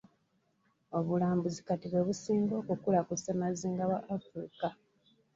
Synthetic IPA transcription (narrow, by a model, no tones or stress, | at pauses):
o̞βulaːmbuzikatiβwe̞βusiːŋɡo̞ːkukulakusamaziːŋɡawaʔːfɾḭka